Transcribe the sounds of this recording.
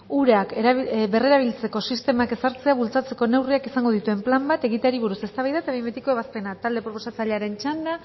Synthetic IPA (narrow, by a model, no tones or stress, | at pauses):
uɾakbe̞re̞ɾaβ̞ilt͡se̞ko̞sist̪e̞make̞saɾt͡se̞aβult͡sat͡se̞ko̞ne̞wriakisaŋɡo̞ð̞it̪ue̞mplambat̪e̞ɣit̪aɾiβ̞uɾuse̞st̪aβajðat̪aβemet̪ikoe̞βaspe̞nat̪ald̪e̞pɾo̞po̞sat͡saʎeaɾe̞nt͡ʃand̪a